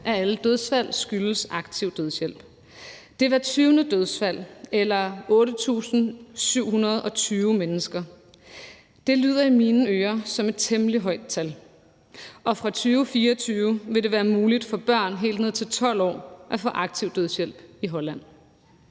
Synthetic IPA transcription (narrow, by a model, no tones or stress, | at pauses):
ʔææləd̥øð̞ˠsfæl̰sɡ̥ylsɑ̈ɡ̥t͡sʰiʊ̰d̥øðˠsjel̰b̥ | d̥e̝ʋæ̥t͡sʰyːnəd̥øð̞ˠsfæl̰elɐɔ̽ːɾət͡sʰṵːsn̩syʊ̰hunɐð̞̩ˠɒ̽t͡sʰyːʊmenəsɡ̥ɐ | d̥e̝ly̰ːð̞̰ˠɐiminəøːɐsɒ̽me̝d̥̚t͡sʰemliɦɒɪ̰d̥̚t͡sʰæl | ʔɒ̽fʁɑ̈t͡sʰyːʊfiːɐɒt͡sʰyːʊəʋe̝ɾe̝ʋæːɐmuːlid̥fɒ̽b̥ɶɐ̰nɦe̝̰ːld̥ne̝ð̞̰ˠt͡sʰe̝lt͡sʰɒ̽l̰ɒ̰ːʔæfɒ̰̽ʔɑ̈ɡ̥̚t͡sʰiʊ̰d̥øð̞ˠsjel̰b̥iɦɒ̽læn̰